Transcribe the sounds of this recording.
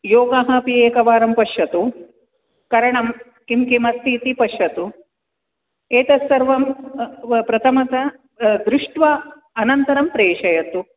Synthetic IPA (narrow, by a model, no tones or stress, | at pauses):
joːɡaɦɐpieːkɐʋaːɾɐmpɐʃjɐt̪u | kɐɾɐɳɐm | kimkimɐst̪iːt̪ipɐʃjɐt̪u | eːt̪ɐsːɐɾʋɐm | pɾɐt̪ʰɐmɐt̪ɐ | d̪ɾuʂʈʋa | ɐnɐnt̪ɐɾɐmpɾeːʂɐjɐt̪u